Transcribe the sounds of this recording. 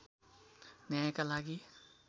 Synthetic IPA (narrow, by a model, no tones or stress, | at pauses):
njajkalaɡi